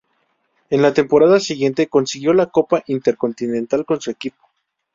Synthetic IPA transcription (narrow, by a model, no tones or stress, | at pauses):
e̞nlat̪e̞mpo̞ɾaðasiɣje̞nt̪eko̞nsiɣjo̞lako̞paʔint̪e̞ɾko̞nt̪inẽnt̪alko̞nsuekipo̥